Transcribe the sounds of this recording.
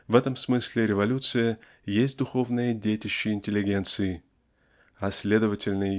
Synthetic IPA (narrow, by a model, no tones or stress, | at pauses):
vɛt̪əmsmɨsʲlʲɪɾʲɪvɐlʲut̪sɨjə | jes̬ʲt̚ʲd̪ʊxo̞vnɨjədʲejtʲɪɕːɪɪnʲtʲɪlʲːɪɡʲent̪sɨɪ | ɐsʲlʲe̞d̪əvətʲɪlʲnɨjə